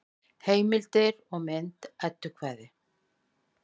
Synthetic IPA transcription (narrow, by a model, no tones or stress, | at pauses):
heːjmɪlt̪ɪɾɔɣmɛnt̪ɛt̪ːʏɾkʰvaːðɪ